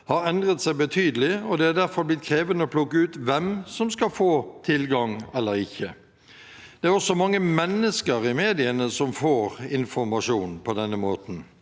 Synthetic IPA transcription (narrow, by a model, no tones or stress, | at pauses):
hɑɾɛnd̪ʁət̪sæɪbət̪ʰyːd̪əlɪɔd̪ɛæɾd̪æʁfɔɾblɪt̪̚kʰɾeːʋənəɔpʰlʊkːəʉːt̪ʋɛmsɔmskɑlfoːt̪ʰɪlɡɑŋɛlːəɾɪçːə | d̪̥ɛæɾɔsɔmɑŋːəmɛnːəskəɾɪmeːd̪ɪənəsɔmfoːɾɪnfɔɾmɑʂuːnpʰɔd̪ɛnːəmoːt̪n̩